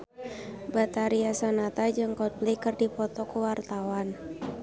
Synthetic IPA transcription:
bat̪aɾiasanat̪ad͡ʒɨŋkɔt̪̚blikɨrdipɔt̪ɔkuwart̪awan

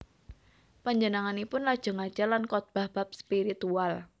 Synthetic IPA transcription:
paɲd͡ʒənaŋanipʊnːad̥ʒ̥ə̤ŋad̥ʒ̥alankɔt̪̚b̥a̤hb̥ap̚spiɾit̪ual

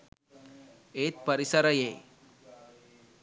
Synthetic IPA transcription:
et̪̚pəɾisəɾəje

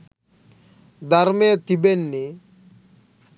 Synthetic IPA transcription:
d̪aɾmet̪ibenːi

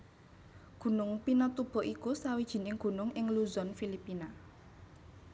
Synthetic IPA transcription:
ɡ̥ṳnʊŋpinɔt̪ub̥ɔ̤ʔikusawid̥ʒ̥i̤nɪŋɡ̥ṳnʊŋɪŋluzɔnfilipina

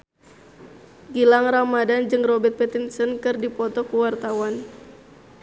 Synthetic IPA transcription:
ɡilaŋramadand͡ʒɨŋrɔbɛt̪̚pɛt̪insənkɨrdipɔt̪ɔkuwart̪awan

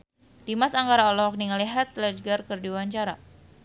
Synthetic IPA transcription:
dimasaŋɡaɾaɔlɔɦɔk̚niŋəliɦat̪̚lɛd͡ʒɡarkɨrdiwaɲt͡ʃaɾa

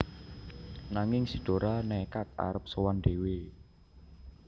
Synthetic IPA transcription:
naŋɪŋsiɖ̪̥o̤ɾʔanɛkat̪̚a̰ɾəp̚səwand̥̪ewe

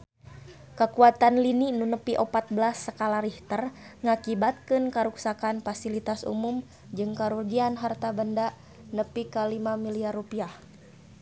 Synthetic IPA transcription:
kəkuat̪anlininunəpiʔopat̪̚bəlasːəkalaɾiht̪ərŋakibat̪̚kɨnkəɾuksakanfasilit̪asṵmum | d͡ʒɨŋkaɾurɡianɦart̪abəndaʔ | nəpikəlimamiliarːupiah

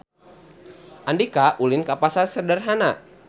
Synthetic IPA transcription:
ʔandikaʔulinkapasarsərdarɦana

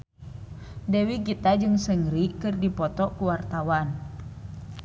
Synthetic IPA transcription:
dɛwiɡit̪ad͡ʒɨŋsəŋɾikɨrdipɔt̪ɔkuwart̪awan

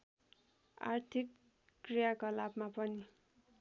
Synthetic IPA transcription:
a̰ɾt̪ʰikː | rijakolabmapʌni

